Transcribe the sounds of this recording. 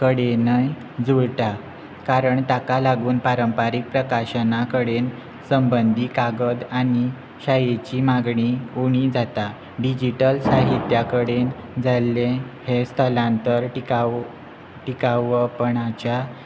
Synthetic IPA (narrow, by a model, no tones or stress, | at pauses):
kəɽenəj | d͡zuɽʈa | kaɾəɳt̪akalaɡuːnpaɾəmpaɾik̚pɾəkaɕənakəɽen | səmbənd̪ʱiːkaɡəd̪ani | ɕajet͡ɕimaɡɳiuɳ̃id͡zat̪a | ɖid͡ʑiʈəlsaɦit̪jakəɽend͡zʱalːẽhest̪ʰəlãnt̪əɾka | ʈikaʋəpəɳat͡ɕa